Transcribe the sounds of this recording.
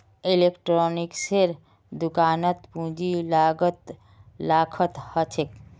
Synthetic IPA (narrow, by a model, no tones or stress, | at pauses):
ilekʈɾɔːnikseɾ | d̪ʊkaːnət̪pũd͡ʒilaːɡət̪ | laːkʰət̪hət͡ʃʰek